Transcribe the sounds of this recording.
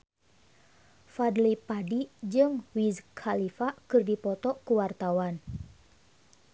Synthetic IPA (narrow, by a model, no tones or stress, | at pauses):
fadlipadid͡ʒɨŋwizkʰalifakɨrdipɔt̪ɔkuwart̪awan